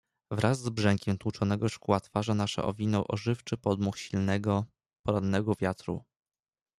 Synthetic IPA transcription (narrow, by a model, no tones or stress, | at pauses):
vɾʔazːbʐɛŋkʲɛmt̪wut͡ʂɔnɛɡɔʂkuwat̪faʐanaʂɛ̰ʔɔ̰vʲinɔwʔɔʐɘft͡ʂɘpɔd̪muxɕilnɛɡɔ | pɔɾanːɛɡɔvʲjat̪ɾṵ